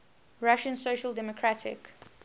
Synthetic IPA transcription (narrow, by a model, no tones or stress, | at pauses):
ɹaʃə̃nsoʃəldɛmɔkʰɹatʰɪ̰k